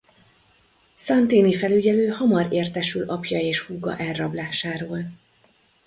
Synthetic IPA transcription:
sɒnt̪eːnifɛlyɟɛløːhɒmɒɾeːrt̪ɛʃylɒpjɒeːʃhuɡɒ̰ʔɛrːɒblaːʃaːɾoːl

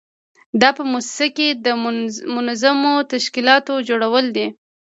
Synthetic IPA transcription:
d̪ɑpəmussaked̪əmʊnazamot̪aʃkilɑt̪od͡ʒoɽawəld̪i

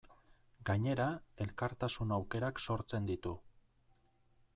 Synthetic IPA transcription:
ɡaɲe̞ɾae̞lkaɾt̪asunawke̞ɾakso̞ɾt͡se̞nd̪it̪u

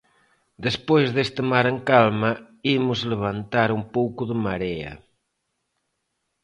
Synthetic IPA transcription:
d̪espojzðest̪emaɾeŋkalma | imʊzleβ̞ant̪aɾumpowkʊðemaɾea̰

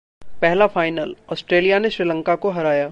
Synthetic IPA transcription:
pɛɦlafaːɪnəlɔːsʈɾeːlijaneʃɾilə̃ŋkakoɦɐɾaːjaː

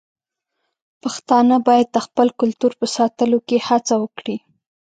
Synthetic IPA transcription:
paxt̪ɑnəbɑjad̪̚d̪əxpəlkʊlt̪uɾpəsɑt̪əlokehat͡sawəkɽi

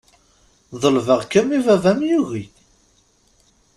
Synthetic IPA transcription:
ðˤəlvəʁkəmivævæmjuɣi

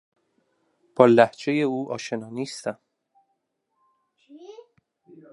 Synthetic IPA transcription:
b̥ɒːlæhd͡ʒe̞je̞uːʔɒːʃe̞nɒːniːst̪æm

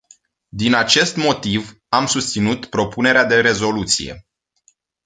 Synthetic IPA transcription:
d̪inat͡ʃe̞st̪mo̞t̪iv | amsust̪sinut̪pɾo̞pune̞ɾead̪e̞ɾe̞zo̞lut̪sḭje̞̰

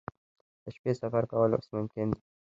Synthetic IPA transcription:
d̪̥əʃpesafaɾkawəlo̰smʊmkɪnd̪i

